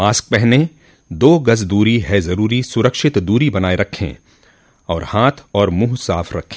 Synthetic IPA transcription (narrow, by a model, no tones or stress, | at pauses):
maːsk̚pɛɦne | d̪oːɡɐzd̪uːɾiɦɛzɐɾuːɾisʊɾəkʃɪt̪d̪uːɾibɐnaːeɾɐkʰːḛ̃ː | ɔːɾhaːt̪ʰɔːɾmuːɦsaːfɾɐkʰːẽː